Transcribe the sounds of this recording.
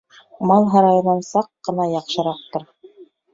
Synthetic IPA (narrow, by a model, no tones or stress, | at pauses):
mɑlˠɦɑɾɑjɤ̆nɑnsɑqːɤ̆nɑjɑqʃɤ̆ɾɑq̚t̪ɤ̆ɾ